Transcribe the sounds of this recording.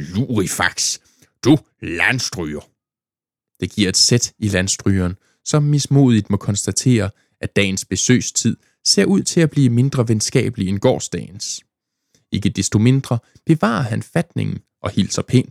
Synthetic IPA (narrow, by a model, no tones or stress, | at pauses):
luʁifɑ̈ɡ̥s | d̥u | lænsd̥ʁyːɐ | d̥e̝ɡ̥iɐ̰e̝d̥sed̥ilænsd̥ʁyːɐn | sɒ̽mːismo̝̰ːð̞ˠid̥mɒ̽kʰɒ̽nsd̥æt͡sʰe̝̰ːɐ | ʔæd̥ɛ̰ːɪn̩sb̥e̝sø̰ːst͡sʰið̞̰ˠ | se̝̰ɐ̰uð̞̰ˠt͡sʰe̝æb̥liːəme̝nd̥ʁɐʋensɡ̥ɛ̰ːb̥əlienɡ̥ɒ̰ːsd̥ɛ̰ːɪn̩s | e̝ɡ̥əd̥esd̥o̝me̝nd̥ʁɐ | b̥e̝ʋɑ̰̈ːɐɦænfæd̥ne̝ŋn̩ | ʔɒ̽hil̰sɐpʰḛːn